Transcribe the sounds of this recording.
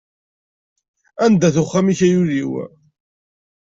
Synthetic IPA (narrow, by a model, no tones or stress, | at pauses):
ænd̪æθʊχːamiçæjuɾiw̰